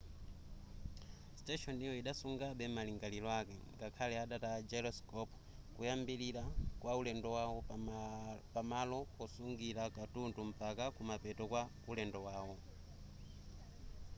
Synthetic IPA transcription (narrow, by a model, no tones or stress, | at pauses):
stɛʃɔnijɔiɗasuŋɡaɓɛmaliŋɡalilɔakɛŋɡakʰalɛaɗatad͡ʒɛɾɔskɔpʰ | kujambiliɾakwaulɛndɔwawɔ | pamalɔɔsuŋɡiɾakatuntum̩pakakumapɛtɔkwa | ulɛndɔwaːwɔ